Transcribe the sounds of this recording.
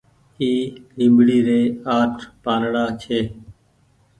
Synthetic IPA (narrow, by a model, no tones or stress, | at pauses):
iːlĩːbɽiːɾeːaːʈʰpaːnɽaːt͡ʃʰeː